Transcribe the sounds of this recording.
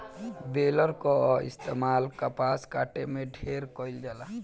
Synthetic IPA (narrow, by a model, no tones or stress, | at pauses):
beːləɾkoɪ̰st̪eːmaːlkapaːskaːʈemẽɖʱeːɾkɔɪld͡ʒaːlaː